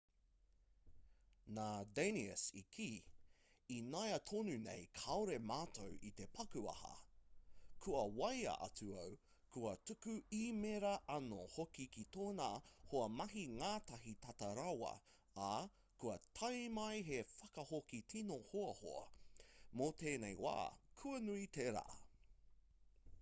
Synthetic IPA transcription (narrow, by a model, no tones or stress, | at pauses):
naːdeniə̰sḭkʰiː | inɐjɐtʰonʉnḛjkʰawɾemaːtʰowʔit̪epʰɐkʉɐ̰hɐ̰ | kʰuɐwɐjɐ̰ʔɐ̰tʉɐw | kʰuɐtʉkʉimeɾɐʔɐno̰hokikitoːnaːhoɐmɐɦiŋaːtɐɦitɐtɐɾawɐ̰ː | kuɐtʰɐjmɐjɦefɐkɐhokitʰinohoɐho̰ɐ̰moteːnejwa̰ːkʰʉɐnuit̪eɾa̰ː